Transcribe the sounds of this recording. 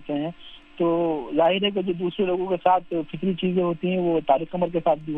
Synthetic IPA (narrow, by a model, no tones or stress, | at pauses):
t̪eɦɛ̃ː | t̪oːzaːɦɪɾɦɛk̬ed͡ʒoːd̪uːsɾeloːɡõkesaːt̪ʰfʰɪt̪lit͡ʃiːzẽɦoːt̪iɦɛ̃ʋoːt̪aːlɪkɐməɾkesaːt̪̚ʰbʱiɦ